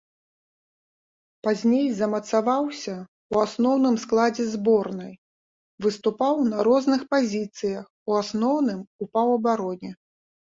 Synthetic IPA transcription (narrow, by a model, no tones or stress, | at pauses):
pazʲnʲejzɐmɐt̪savawsʲɐ | uasnɔwn̪ɨmsklˠad͡zʲɛzbɔrnɐj | vɨst̪upawnɐɾɔznɨxpazʲit̪sɨjɐx | uasnɔwnɨmupawɐbaɾɔnʲɛ